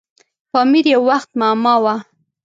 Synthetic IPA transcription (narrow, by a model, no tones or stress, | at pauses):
fɑmiɾjawːaxt̪mamɑwa